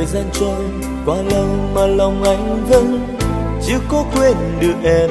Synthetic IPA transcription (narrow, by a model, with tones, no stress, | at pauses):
jzaː˧nt͡ɕɔ˧n | kwaː˨˧˦lə˨˧˩wmaː˨˩lə˨˩wŋ͡mʔa˨˦jŋ̟və˧˥n | t͡ɕɨ˨˦kɔ˨˦kwe˧nɗɨ˨˩ək̚ʔɛ˧˩